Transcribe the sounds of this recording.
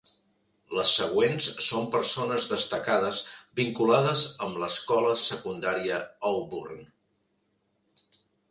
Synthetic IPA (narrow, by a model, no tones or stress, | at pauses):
ləsːəɣ̞wensːompəɾsonəzðəst̪əkaðəzbiŋkulaðəzəmləskɔləsəkund̪aɾiəəlˠburn